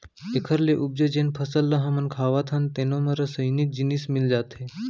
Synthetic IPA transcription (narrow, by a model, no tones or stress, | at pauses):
ekʰəɾleʔub̚d͡ʒəd͡ʑenpʰəsəlːɐɦãmɐnkʰaʋat̪ʰant̪enomɐɾəsəjnit̪̚d͡ʑinismild͡ʒaːt̪ʰe